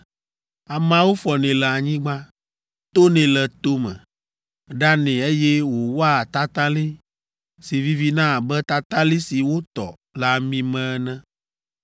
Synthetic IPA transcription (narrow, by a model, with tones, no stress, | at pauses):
a˨mã˨wo˦fɔ˨nẽ˨lɛ˨a˨ɲĩ˦ɡ͡ba˦ | t̪o˦nɛ̃˨lɛ˨t̪o˦mɛ̰̃˨ | ɖa˦nɛ̃˨e˦jɛ˦wo˨wɔ˦a˦˨t̪a˦t̪a˦li˦ | si˨vi˦vi˦nã˦˨bɛ˦t̪a˦t̪a˦li˦si˨wo˦t̪ɔ̰˨ | la˦mĩ˦mɛ̃˦nɛ̃˦